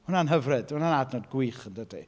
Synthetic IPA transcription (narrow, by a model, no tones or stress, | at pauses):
hʊnanɦəvrɨd̥hʊnanadnɔdɡwiːχəndədḭ